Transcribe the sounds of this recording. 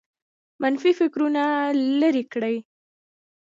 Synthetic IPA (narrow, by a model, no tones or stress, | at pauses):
manfifɪkɾunaləɾikɽəj